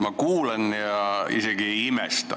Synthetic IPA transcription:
mɑkuːlenjɑḭseɡ̥ieimḛst̪ɑ̰

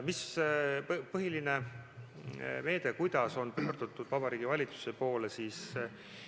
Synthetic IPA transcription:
mis | pɤɦiline̞ | me̞ːd̪e̞kujd̪̥ɑso̞npøːrd̪̥ut̪ːˑud̪vɑbɑɾiːɡ̥ivɑlʲit̪su̥se̞po̞ːlesiːs

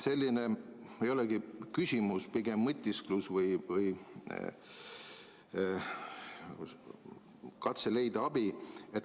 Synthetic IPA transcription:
se̞lʲːine | ejo̞lɛɡikysʲimuspiɡ̥emːɤt̪ʲːˑisklusvɤjvɯj | kɑt̪sele̞jd̪̥ɑɑbiet̪

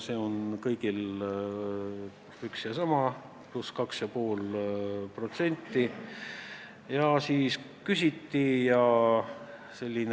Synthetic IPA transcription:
se̞ːo̞nkɤjɡ̥il | yksjɑsɑmɑ | pluskɑksjɑpo̞ːlpro̞t̪se̞nʲt̪ːi | jɑsiːs | kysʲit̪ːijɑ | se̞lʲːin

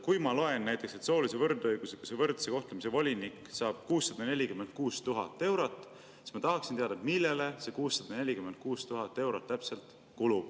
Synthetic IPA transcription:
kujmɑlo̞e̞nːæjt̪ˑːekse̞t̪so̞ːlise̞vɤrd̪ɤjɡ̥use̞kusevɤrd̪̥se̞ko̞ht̪lemise̞vo̞lʲinikːˑsɑːb̥̚kuːsːɑd̪̥ɑne̞lʲikyme̞nd̪̚kuːst̪uɦɑt̪ˑːe̞wɾot̪ːˑ | si̥st̪mɑt̪ɑɦɑksint̪eɑd̪ɑet̪milːe̞le̞se̞kuːsːɑd̪̥ɑne̞lʲikyme̞nd̪̚kuːst̪uɦɑt̪ːˑe̞wɾot̪ːæpse̞lt̪ˑ | kulub̥̚

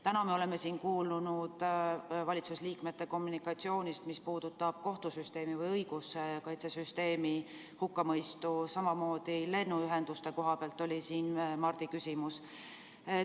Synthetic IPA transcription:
t̪ænɑmeo̞leme̞siːnkuːlunud̪̥vɑlʲit̪susliːkmet̪ːe̞ko̞mːunikˑɑt̪sio̞ːnist̪mispuːd̪̥ut̪ːˑɑb̥̚ko̞ht̪usyst̪e̞ːmivɤjɤjɡ̥usekɑjt̪sesyst̪e̞ːmi | hukːɑmɤjst̪usɑmɑmo̞ːd̪̥ile̞nːuyɦe̞nd̪̥ust̪eko̞ɦɑpeɑlt̪ːˑo̞lʲisiːnmɑrd̪̥ikysʲimus | e

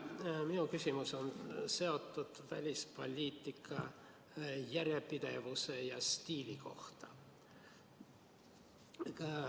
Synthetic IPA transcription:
minukysʲimuso̞nse̞o̞t̪ˑːud̪̥væ̰lʲispo̞̰lʲiːt̪ːˑikʰːˑɑ̰ | jæɾjepid̪̥e̞̰vuse̞jɑst̪iːlʲiko̞̰ht̪ɑ̥

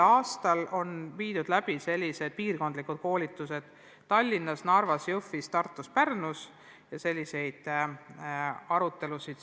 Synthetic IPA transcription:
ɑːst̪ɑlo̞nviːd̪̥ud̪læb̥ise̞lʲːise̞d̪̥̚piːrko̞nd̪likud̪̚ko̞ːlʲit̪ːˑuse̞d̪̥ | t̪ɑlʲːinːɑsnɑrvɑsjɤfːist̪ɑrt̪ːˑuspærnus | jɑse̞lʲːise̞jd̪̥ | ɑɾut̪ːˑe̞lusid̪̥

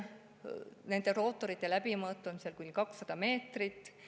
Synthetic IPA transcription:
ne̞nd̪̥e̞ro̞ːt̪ːˑoɾit̪ːˑe̞læb̥imɤːt̪ˑlumise̞lkunʲkɑksːɑd̪̥ɑme̞ːt̪rit̪ːˑ

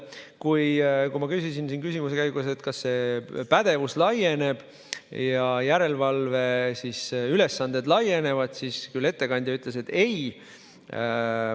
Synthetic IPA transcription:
kujkujmɑkysisinsiːnkysimuse̞kæjɡuse̞t̪ːˑkɑsːe̞pæd̪̥e̞vuslɑje̞ne̞b̥ | jɑjæɾe̞lvɑlve̞sisyle̞sːɑnd̪̥e̞d̪lɑje̞ne̞vɑd̪̥siskylːe̞t̪ːe̞kɑnʲd̪̥ʲjɑyt̪ˑle̞se̞t̪ːˑe̞j

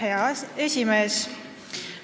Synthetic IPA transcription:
eɑsesʲimeːs

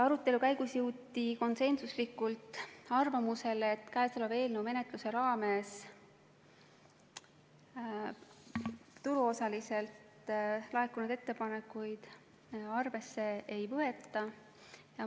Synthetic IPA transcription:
ɑɾut̪ːˑe̞lukæjɡ̥usjɘwt̪ːˑiko̞nse̞nsuslikːˑult̪ˑɑrvɑmuse̞let̪ːˑkæesolebe̞ːlnewme̞ne̞t̪ˑluse̞ɾɑːme̞s | t̪uluo̞sɑlise̞lt̪ | lɑekunud̪̥e̞t̪ːe̞pɑnekːˑujd̪̥ | ɑrve̞sːe̞ʔejpøɦe̞t̪ːˑɑ | jɑ

